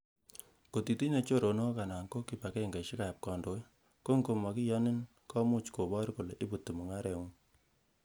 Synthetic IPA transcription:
ko˨ti˨ti˦ne˨˦t͡ʃo˦˨ɾo˨no˦ka˨na˨ŋko˦ki˨pa˨kɛ˦˨ŋɡa˨ʃi˦ka˨p̚kɔ˨ndo˨˦j | ko˦ŋko˨ma˨ki˦jɔ˦ni˦n | kɔ˦mu˦t͡ʃko˨bɔ˦ɾku˨le˨ʔi˦bu˨tu˨mu˨ŋa˦ɾɛ˨ŋu˦

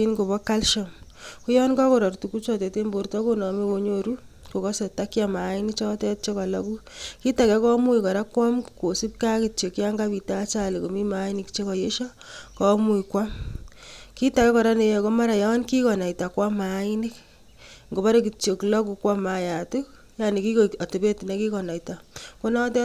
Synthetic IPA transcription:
inɡo˨bɔ˦ka˦lʃɔmku˦jɔ˦nka˦ko˨ɾɔ˨rtu˨ku˦t͡ʃɔ˨tɛ˨te˦mbo˨ɾtɔ˦ko˦nɔ˨me˦ko˧ɲoɾu | ko˨kɔ˦se˨ta˦kjama˨˦ɪ˦ni˦kt͡ʃɔ˦tɛ˦t̚t͡ʃe˦kɔ˨lɔ̰˦ku˦ki˦ta˨kɛ˦kɔ˦mu˦jkɔ˨ɾa˦kwa˦mko˨si˦p̚ka˦ki˨t͡ʃo˨kja˦ŋɡa˦bi˨tat͡ʃa˨li˨ko˨mi˦ma˦i˦ni˨kt͡ʃe˦kɔ˨je˦ʃɔ˦ | kɔ˦mu˦jkwa˦m | ki˦ta˨kɛ˦kɔ˨ɾa˦ne˨ɛ˨ko˦ma˦ɾa˨ja˦ɔ˦nki˦kɔ˨na˨ita˨kwa˦ma˨˦i˦ni˦k | ŋɡo˨ba˦ɾe˦ki˨t͡ʃo˨kla˦ku˨kwa˦maja˨tu˦k̚ | ja˦ni˨ki˦ko˨a˨te˨be˦ti˨ne˦ki˦kɔ˨na˨ita˨ko˦na˦tɛ˦

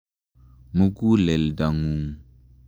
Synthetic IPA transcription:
mu˦ku˦le˨lda˨ŋu˨

